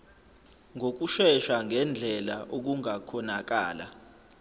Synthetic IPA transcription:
ŋʱok̬uʃɛʃaŋʱɛnd͡ɮʱɛla̰ʔok̬uŋakʰɔnak̬aːla̰

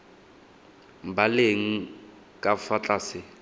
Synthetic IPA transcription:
m̩baleŋ̩ | kʼafat͡ɬʼaːsɪ

